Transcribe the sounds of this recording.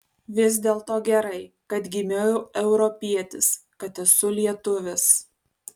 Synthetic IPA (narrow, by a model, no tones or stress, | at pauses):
ʋʲɪzʲd̪ʲeːlˠt̪oːɡʲɛɾɐɪ | kɐt̪ɡʲɪmʲejʊɛʊɾɔpʲiɛt̪ʲɪs | kɐt̪ɛsʊlʲiɛt̪ʊʋʲɛs